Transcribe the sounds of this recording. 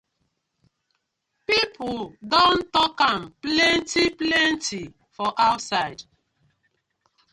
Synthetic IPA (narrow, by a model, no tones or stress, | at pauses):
pipʰudɔ̃ntɔkãmplɛ̃ntiplɛ̃nti | fɔʔaʊtsaɪd